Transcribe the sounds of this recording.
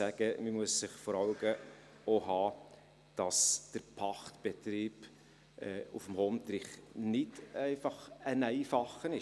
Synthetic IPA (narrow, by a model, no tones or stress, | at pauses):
sæɡ̥əməmuəssɪχfɔɾɑwɡə | oɦɑː | d̥ɑsd̥əɾpʰɑχtb̥et̪ɾiːb | ʔɛufəm̩homt̪ɾɪχnɪtɛɪfɑχənɛɪfɑχənɪ